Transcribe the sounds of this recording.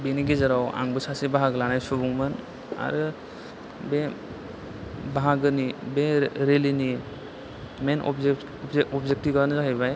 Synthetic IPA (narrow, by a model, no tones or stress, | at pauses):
beniɡizaɾawa̰ŋbɯsasibaɦaɡɯlanajsubuŋman | a̰ɾɯ | be | baɦaɡɯnibeɾelini | menɔ̰ | ɔpzek̚tiɡɔɾnɯzaɦijbaj